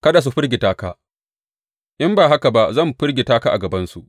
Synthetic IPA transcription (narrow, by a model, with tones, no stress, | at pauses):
kɐ˦da˨s̬u˦ɸɪ˦ɾɡʲe˨taː˦kaː˦ | ʔɪ˦mbaː˨ɦa˦ka˨ba˦zɐ˦˨mɸɪ˦rɡʲi˨taː˦ka˦ʔa̰˨ɡɐ˨bɐ˦nsu˨ʔ